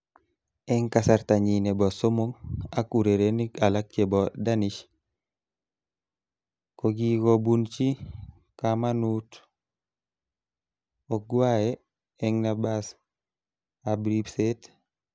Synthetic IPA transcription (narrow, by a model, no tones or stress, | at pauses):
ɛŋkasaɾtaɲinebɔsomoŋakuɾeɾenikalak̚t͡ʃebɔdaniʃ | koɡiɡobunt͡ʃi | kamanut | oɡwaje | ɛŋnabas | abɾibset